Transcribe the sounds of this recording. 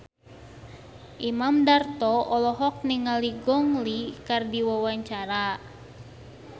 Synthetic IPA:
ʔimamdart̪ɔɔlɔɦɔk̚niŋaliɡɔŋlikardiwawaɲt͡ʃaɾa

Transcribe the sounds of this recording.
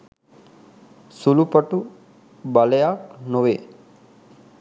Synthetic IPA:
sulupəʈu | balejaknoʋe

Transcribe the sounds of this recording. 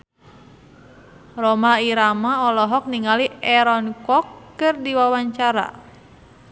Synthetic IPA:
rɔmaiɾamaɔlɔɦɔk̚niŋaliɛɾɔnkɔkːɨrdiwawaɲt͡ʃaɾa̰

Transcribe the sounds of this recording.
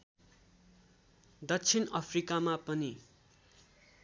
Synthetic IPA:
d̪ʌt͡sʰinʌpʰrikamapʌni

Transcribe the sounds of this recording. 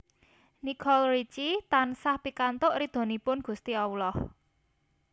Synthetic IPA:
nikʰɔlrit͡ʃit̪ansahpikant̪ʊʔɾid̪̥o̤nipʊnɡ̥ṳst̪iɔwulɔh

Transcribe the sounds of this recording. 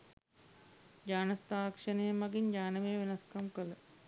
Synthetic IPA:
d͡ʒaːnɐst̪aːkʂɐnɐjɐmɐɡiɲd͡ʒaːnɐʋejɐʋenɐskɐmkələ

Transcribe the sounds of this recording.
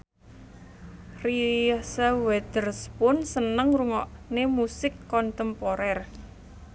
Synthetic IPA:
risəwɛd̪̥ərspʊnsənəŋruŋɔʔnemusɪkːɔnt̪əmpoɾɛr

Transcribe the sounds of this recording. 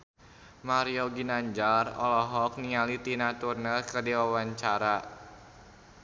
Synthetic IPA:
maɾiɔɡinaɲd͡ʒarɔ̰lɔɦɔk̚niŋalit̪inat̪urnəlkərdiwawaɲt͡ʃaɾa

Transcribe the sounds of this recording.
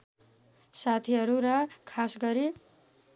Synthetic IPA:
sat̪ʰiɦʌɾuɾʌkʰasɡʌɾi

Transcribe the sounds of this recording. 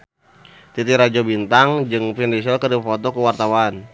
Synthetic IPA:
t̪it̪iɾad͡ʒɔbint̪aŋd͡ʒɨŋfindis̬ɔkərdifɔt̪ɔkəwart̪awan

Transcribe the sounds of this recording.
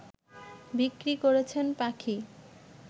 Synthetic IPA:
bikɾikoɾet͡ɕʰenpakʰi

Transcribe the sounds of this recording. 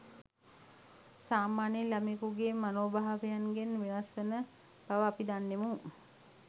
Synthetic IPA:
saːmaːnelamekuɡeːmanoːbaɦaʋejanɡenʋinasʋənə | b̥aʋəapid̪anːemu

